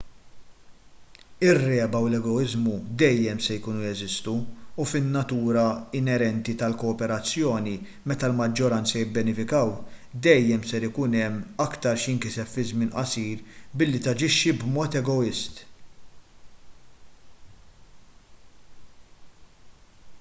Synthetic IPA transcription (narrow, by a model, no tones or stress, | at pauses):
ɪrːɛːbɐwlɛɡɔɪzmud̪ɛjːɛmsɛjkuːnujɛzɪst̪uːfɪnːɐt̪uːɾɐɪnɛɾɛnt̪it̪ɐlkɔːpɛɾɐt͡sːjɔːni | mɛt̪ɐlmɐd͡ʒːɔɾɐnt͡sɐjɪbːɛnɪfɪkɐwd̪ɛjːɛmsɛɾɪkuːnɛmːɐkt̪ɐɾʃɪŋkɪsɛffɪzmɪːnʔɐ̰siːɾbɪlːit̪ɐd͡ʒɪʃːibmɔːt̪ɛɡɔɪst̪